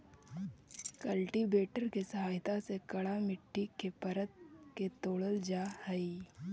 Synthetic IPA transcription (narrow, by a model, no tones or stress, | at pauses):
kəlʈibeːʈəɾkesɐɦaːjt̪asekɐɽamɪʈʰːikepɐɾət̪̚ket̪oːɽəld͡ʒaːhəi